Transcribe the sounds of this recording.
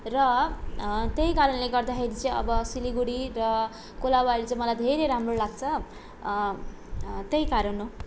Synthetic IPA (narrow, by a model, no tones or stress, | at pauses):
rʌ | t̪jejkaɾʌnleɡʌrd̪axeɾit͡sʌ̃j̃ʌ̰bʌsiliɡuɽirʌ | kolabaɾut͡sʌj̃mʌlajd̪ʱeɾeɾamrolaɡ̚t͡sʰʌ | t̪ejkaɾʌno